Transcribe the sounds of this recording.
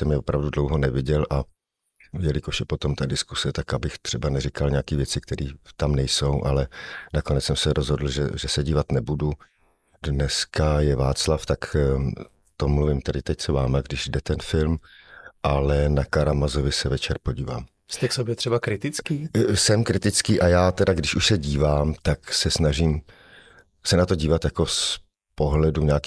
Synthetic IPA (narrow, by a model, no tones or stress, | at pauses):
t̪ɛmɲɛvopɾavdudlowɦonɛvɪɟɛlʔa | jɛlɪkoʃjɛpot̪o̞mt̪adɪskusɛt̪akabɪxt̪r̝̥ɛbanɛɾɪkalɲakiːvjɛt͡sɪkt̪ɛɾiːt̪amnɛjso̞wʔalɛnakonɛt͡ssɛmsɛɾʔozɦodl̩ʒɛ̰ʒɛsɛɟiːvat̪nɛbudu | dnɛskajɛvaːt͡slaft̪ak | t̪omluvɪmt̪ɛdɪt̪ɛct͡sɛvaːmɛɡdɪʒdɛt̪ɛnfɪlm | ʔalɛnakaɾamazo̞vɪsɛvɛt͡ʃɛɾpo̞ɟiːva̰ːm | st̪ɛksobjɛt̪r̥ɛbakɾɪt̪ɪt͡skiːsɛmkɾɪt̪ɪt͡skiːʔajaːt̪ɛdaɡdɪʃuʃsɛɟiːvaːmt̪aksɛsnaʒiːm | sɛnat̪o̞ɟiːvat̪jako̞s | po̞ɦlɛduɲaːk